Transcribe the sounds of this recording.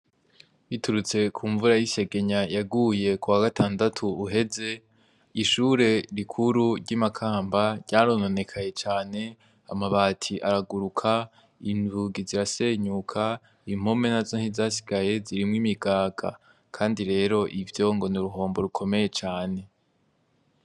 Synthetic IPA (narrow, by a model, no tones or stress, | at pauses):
βituɾut͡se̞kʰuːɱvuɾajise̞ɡe̞ɲajaɡuːje̞kuwaɡatʰaːndatʰuːɦe̞ze̞ | iʃuːɾe̞ɾikʰuɾuɾɟamakʰaːmbaɾɟaːɾonone̞kʰaje̞t͡ʃaːne̞ | a̰maβaːtʰiʔaɾaɡuɾukʰa | invuɡiziɾase̞ɲukʰa | im̥ho̞me̞nazo̞n̥hizaːsi̥ɡaje̞ziɾimŋimiɡaːɡ̥a̰ | kʰaːndiɾe̞ːɾo̞ʔivjo̞ŋɡo̞nuɾuɦo̞ːmbo̞ɾukʰo̞me̞je̞t͡ʃaːne̞